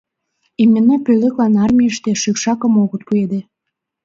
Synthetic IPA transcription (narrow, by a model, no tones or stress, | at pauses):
emʲːĕnɑpøleklɑnɑrmʲiəʃt̪eʃykʃɑkə̆moɣə̆t̪̚pued̪e